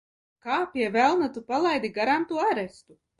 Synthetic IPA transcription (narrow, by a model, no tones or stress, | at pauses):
kaːpʲiɛvɛlˠnat̪upalˠajd̪iɡaɾant̪uɔaɾɛst̪u